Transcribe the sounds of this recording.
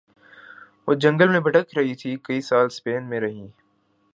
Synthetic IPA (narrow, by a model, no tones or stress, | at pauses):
ʋoːd͡ʒɐ̃ŋɡəlmẽbʱɐʈəkɾɐɦit̪ʰikɐisaːlspeːnmẽɾɐɦĩː